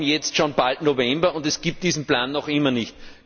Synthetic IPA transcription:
njɛt͡stʃoːnb̥altnovɛmbɐʊndɛsɡ̥iːp̚td̥iːzn̩plaːnːɔχɪmːɐnɪçt

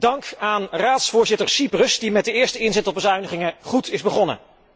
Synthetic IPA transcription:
d̥ɑŋkaːnraːtsfʊːɹzɪtəɹsiprəsdimɛt̚dəɪːɹstəɪnzɛtɔbəzœɥnəχɪŋəχutʰɪzbəχɔnə̰

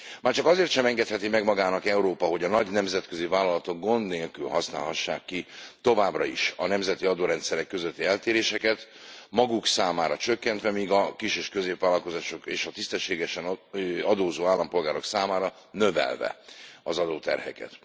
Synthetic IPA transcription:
maːrt͡ʃɒkɒzeːrt̪ʃɛmɛŋɡɛt̪hɛt̪imɛɡmɒɡaːnɒkɛuɾoːpɒɦo̞ɟɒnɒɟnɛmzɛt̪̚køzivaːlɒlɒt̪o̞ɡ̚ɡo̞nd̪neːlkylhɒsna̰ːlɦɒʃːa̰ːkːit̪o̞vaːbrɒiʃɒnɛmzɛt̪iɒd̪oːɾɛnt̪sɛɾɛkːøzøt̪ːiɛlt̪eːɾeːʃɛkɛt̪ | mɒɡuksaːmaːɾɒt͡ʃøkːɛnt̪ʋɛmiːɡɒkiʃeːʃkøzeːpʋaːlɒlko̞zaːʃo̞keːʃɒt̪ist̪ɛʃːeːɡɛʃɛnɒd̪oːzoːaːlːɒmpo̞lɡaːɾo̞ksaːmaːɾɒ | nøvɛ̰lvɛ̰ɒzɒd̪oːt̪ɛ̰rhɛ̰kɛ̰t̪

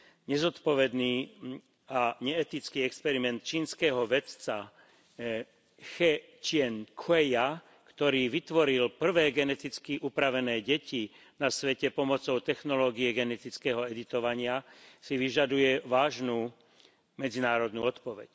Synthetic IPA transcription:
ɲɛzɔt̪pɔʋɛd̪niː | aɲɛɛt̪it͡skiːɛkspɛɾimɛnt̪̚t͡ʃiːnskɛːɦɔʋɛt͡sa | xɛ | t͡ʃɪɛnkʰɛja | kt̪ɔɾiːʋit̪ʋɔɾilpr̩ʋɛːɡɛnɛt̪it͡skiʔupɾaʋɛnɛːɟɛci | nasʋɛcɛpɔmɔt͡sɔʊt̪ɛxnɔlɔːɡiɛɡɛnɛt̪it͡skɛːɦɔɛd̪it̪ɔʋaɲɪasiʋiʒad̪ujɛʋaːʒnuː | mɛd͡zinaːɾɔd̪nuːɔt̪pɔʋɛ̰c

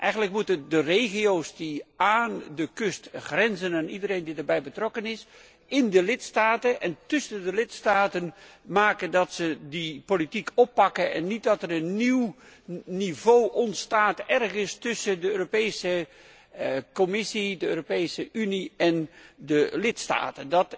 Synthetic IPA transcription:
ʔɛjχənləkmutədərejχiowsdiaːndəkɵstχrɛnzənaːnidəɾejndidəɹbɛjbətrɔkənɪs | ɪndəlɪtstaːtənɛntʏsəndəlɪtstaːtənmaːkədɑtsədipolitikʰɔpːɑkəʔɛ̰nːit̚dɑtərənːiwnivowʔɔntstaːtɛrχənstʏsəndəøːropejsə | kɔmɪsidəøːropejsəʔyniɛndəlɪtsta̰ːtəndɑt

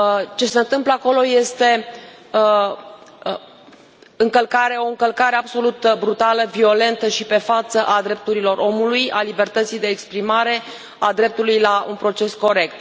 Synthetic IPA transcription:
t͡ʃe̞se̞ɨnt̪ɨmpləako̞lo̞je̞st̪e̞ | ɨŋkəlkaɾe̞o̞ɨŋkəlkaɾe̞abso̞lut̪bɾut̪aləvio̞le̞nt̪əʃipe̞fat̪səʔad̪ɾe̞p̚t̪uɾilo̞ɾʔo̞mulujalibe̞rt̪ət̪sijd̪e̞ːkspɾimaɾe̞ | ad̪ɾe̞p̚t̪ulujlaʔṵnpɾo̞t͡ʃe̞sko̞ɾe̞k̚t̪

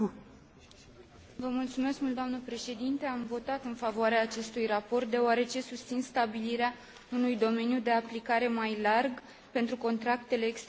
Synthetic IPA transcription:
vəmult̪sume̞skmult̪oamnəpɾe̞ʃe̞d̪int̪e̞amvo̞t̪at̪ɨnfavoaɾeaːt͡ʃe̞st̪ujrapo̞rt̪̚d̪e̞oaɾe̞t͡ʃe̞sust̪sinst̪abiliɾea | unujd̪o̞me̞njud̪e̞aplikaɾe̞majlarɡ | pe̞nt̪ɾuko̞nt̪ɾakt̪e̞le̞ːkst̪

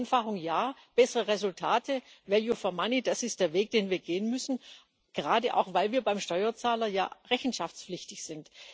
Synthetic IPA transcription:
nfaχʊŋjaːb̥ɛsəʁəʁɛzʊltʰaːtʰəvɛjofɛɐmanid̥asɪst̚d̥eːɐveːk̚d̥eːnviːɐɡeːənmʏsn̩ | ɡ̥əʁaːdəʔa̰ʊxv̥aɪlviːɐbaɪmʃtɔʏɐt͡saːlɐja̰ːʁɛçn̩ʃaft͡spflɪçtɪçz̥ɪnt

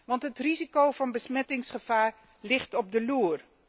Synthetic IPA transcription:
ʋɑntɦətrizikowvɑnbəsmɛtɪŋsχəv̥aːr | lɪχtɔb̚dəluːr

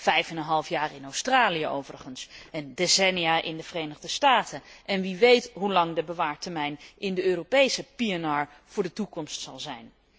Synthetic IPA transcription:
vɛjfɛnənɦɑlˠfjaːrɪnowstraːlijəo̰wvərəχənsəndesɛnijaːʔɪndəvərejnəχdəstaːtənʔɛnʋiʋejtɦulɑŋdəbəʋaːɹtəɹmɛjnɪndəøːropejsəpiɛnaːɹ | v̥ʊːɹdətukɔmstsɑlˠzɛjn

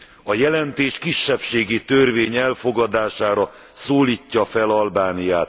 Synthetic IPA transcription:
ɒjɛlɛnt̪eːʃkiʃːɛpʃeːɡit̪ørveːɲɛlfo̞ɡɒd̪aːʃaːɾɒ | soːliːcːɒfɛlɒlbaːnijaːt̪

